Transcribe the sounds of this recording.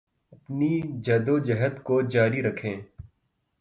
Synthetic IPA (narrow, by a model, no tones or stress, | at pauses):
ɐpnid͡ʒɐːd̪od͡ʒɐɦəd̪kod͡ʒaːɾiɾɐkʰẽː